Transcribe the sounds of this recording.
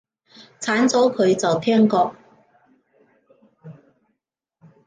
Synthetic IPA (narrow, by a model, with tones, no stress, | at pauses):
t͡sʰaː˨˥nt͡sɔː˨˥wkʰɵ˨˧ɥt͡sɐ˨wt̪ʰɛː˥ŋkɔː˧k̚